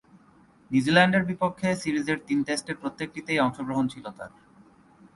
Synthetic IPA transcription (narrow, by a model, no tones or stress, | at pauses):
nud͡ʑilaɳɖeɾbipokʰːesiɾid͡ʑeɾt̪inʈesʈeɾpɾot̪ːek̚ʈit̪ejɔŋʃoɡɾoɦont͡ɕʰilot̪a̰ɾ